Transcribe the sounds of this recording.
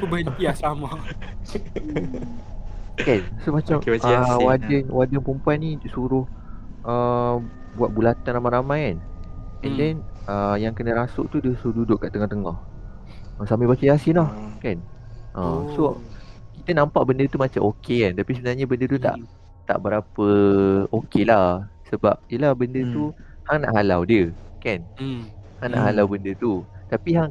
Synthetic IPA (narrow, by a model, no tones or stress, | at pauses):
pubəntiasama | kansomat͡ʃamaawadənwadənpumpuanisuɾʊh | ʔə | buat̪̚bulat̪anramaɾamajkanɛ̃ndɛnəjaŋkənəɾasʊʔt̪udəsuʊdudʊʔkːaʔt̪əŋɔht̪əŋɔh | əsamĩbasiasilahkanʔəsokit̪ənãmpaʔbəndət̪umat͡ʃamʔokekant̪apisəbənalɲabəndət̪̬ut̪a̰ʔ | t̪a̰ʔbəɾapəokelahsəbap̚jəlahbəndət̪u | haŋna̰ʔɦalawdiəkan | haŋna̰ʔɦalawbəndət̪ut̪apiɦaŋ